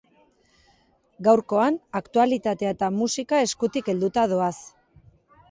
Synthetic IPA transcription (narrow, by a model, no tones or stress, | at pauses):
ɡawɾko̞anakt̪ualit̪at̪eet̪amusikae̞skut̪ike̞ld̪ut̪aðo̞as